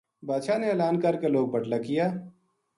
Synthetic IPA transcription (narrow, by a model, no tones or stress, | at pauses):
baːʃaneeːlaːnkɐɾkeloːɡ̚bɐʈlakijaː